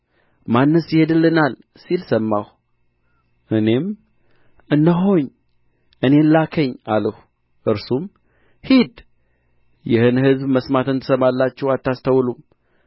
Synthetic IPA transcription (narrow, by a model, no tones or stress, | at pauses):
manːɨsjɪhe̞d̪ɨlːɨnal | silsəmːah | ʔɨne̞m | ɨnːəɦo̞ɲ | ʔɨne̞nlakʰəɲːaləh | ʔɨɾsum | hid̪ | jɪhɨnhɨzbməsmat̪ɨnt̪ʰə̥səmalːat͡ʃːɛwat̪ːast̪ʰəwlum